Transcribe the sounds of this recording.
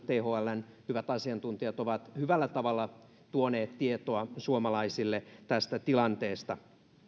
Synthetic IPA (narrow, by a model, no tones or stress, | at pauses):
t̪eːhoːælːæn | hyʋæt̪ɑsiɑnt̪unt̪iɑt̪oʋɑt̪hyʋælːæt̪ɑʋɑlːɑ | t̪uoneːt̪tiet̪oɑsuomɑlɑisilːet̪æst̪æt̪ilɑnt̪eːst̪ɑ